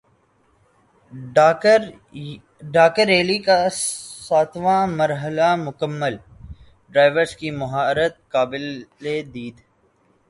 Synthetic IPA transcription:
ɖaːkəɾeːlikasaːt̪ʰʋãmɐɾɦəlamʊkəmːəl | ɖɾaːɪʋəɾskimʊɦaːɾət̪̚kaːbɪled̪iːd̪

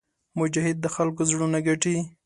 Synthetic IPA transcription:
mʊd͡ʒahɪd̪̚ːəxalk̬ozɽunaɡaʈi

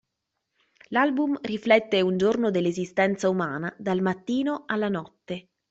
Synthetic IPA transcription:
lalbumriflɛt̪ːeund͡ʒornod̪elːezist̪ɛnt̪saumaːnad̪almat̪ːiːnoalːanɔt̪ːe

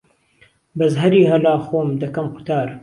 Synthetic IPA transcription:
bɐzɦɐɾiːɦɐlaːxoːmd̪ɐkɐmqʊ̥t̪aːɾ

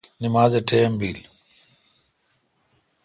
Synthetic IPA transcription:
nimaːzeʈʰeːmbiːl

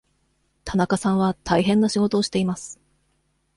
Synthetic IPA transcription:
t̪ʰanakasãɰ̃βat̪ʰaiɦẽ̞nːaɕiɡo̞t̪o̞ːɕi̥t̪e̞imasɨ̥

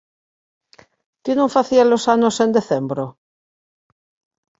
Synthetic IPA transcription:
kenõŋfaθialosanosend̪eθembɾo

